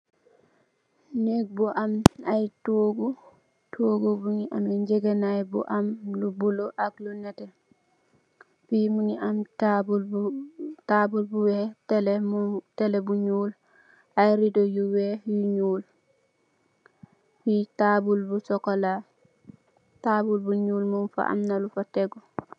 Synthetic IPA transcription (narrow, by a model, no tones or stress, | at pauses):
neɡ̚buʔamajtoɡu | tʰoːɡobuŋiʔameɲd͡ʒeɡenajbṵʔamlubuloʔaklunɛtɛ | pimuŋiamtbu | tabulbuwɛtɛlɛmutɛlɛbuɲuːl | ajɾidɔjuwɛjuɲuːl | fitabulbusɔkɔla | tabulbuɲuːlmunfa̰ʔa̰mnalufatɛɡɔ